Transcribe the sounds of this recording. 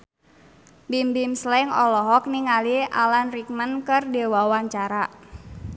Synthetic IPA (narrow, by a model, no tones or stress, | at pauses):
bimbimslɛŋɔlɔɦɔk̚niŋaliʔa̰lanrikmənkərdewawaɲt͡ʃaɾa